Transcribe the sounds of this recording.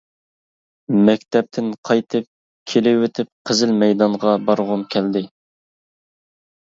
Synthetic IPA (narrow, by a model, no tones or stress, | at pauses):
mɛkʲt̪ʰɛp̚t̪ʰɪnqʰɑjt̪ʰɨp̚ | kʲʰelɪwet̪ʰɪp̚qʰəzɪlmɛjd̪ɑɴʁɑbɑɾʁʊnkʲʰɛld̪ɪ